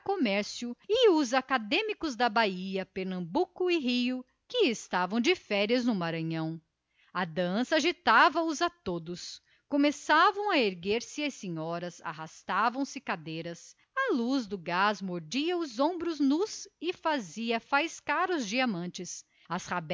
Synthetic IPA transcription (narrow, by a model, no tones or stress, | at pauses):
komɛɾsjʊɪʊzakad̪ẽmikʊzd̪ɐbaiɐpeɾnɐ̃mbukʊɪɦiʊ | kɪːst̪avɐ̃w̃d͡ʒɪfɛɾiɐznʊmaɾɐ̃ɲɐ̃w̃ | ɐd̪ɐ̃sɐaʒit̪avɐʊzat̪od̪ʊs | komesavɐ̃w̃ɐeɾɡeɾsɪɐsẽɲɔɾɐza̰ɦast̪avɐ̃w̃sɪkad̪ejɾɐs | ɐluzd̪ʊɡazmoɾd͡ʒiɐʊzõbɾʊznuzɪfaziɐfajskaɾʊzd͡ʒiamɐ̃nt͡ʃɪs | ɐshab